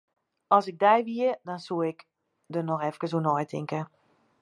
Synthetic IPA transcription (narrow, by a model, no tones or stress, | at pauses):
ɔlˠsɪɡ̚dɛjʋiədɔnsuəɪk | dənɔxɛfkəs̬onɔjtʰɪŋkə